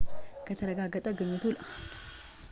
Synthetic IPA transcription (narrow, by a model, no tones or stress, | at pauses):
kʰət̪ʰəɾəɡaɡːət̪ʼəɡɨɲːɨt̪ʰull